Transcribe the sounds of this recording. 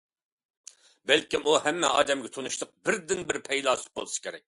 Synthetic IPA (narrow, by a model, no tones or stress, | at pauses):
bɛlkʲimuhɛmːɛ̰ɑ̰ːd̪ɛmɡʲɛt̪ʰonuʃt̪ʰəq̚bɪɾd̪ɪnbɪɾpʰɛjlˠɑːsɨ̥bo̰lˠsɨ̥kʲʰeɾɛk̚ʲ